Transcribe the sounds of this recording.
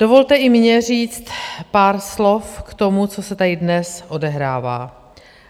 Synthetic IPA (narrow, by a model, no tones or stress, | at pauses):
d̥ovo̞lt̪ɛʔɪmɲɛr̝iːt͡st̪paːɾslo̞fkt̪o̞mut͡so̞sɛt̪adɪdnɛsʔodɛɦɾaːva̰ː